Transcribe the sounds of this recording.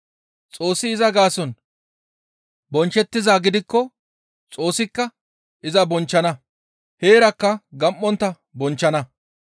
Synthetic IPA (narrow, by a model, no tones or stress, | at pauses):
t͡sʼo̞ːsːɪːzɐɡaːsɔn | bɔnt͡ʃːɛt̪ːɪzaːɡɪd̪ɪkːɔ | t͡sʼo̞ːsːɪkːɐ | ʔɪzɐbɔnt͡ʃːɐnɐ | he̞ːɾɐkːɐɡɐmʔːɔnt̪ːɐ | bɔnt͡ʃːɐnɐ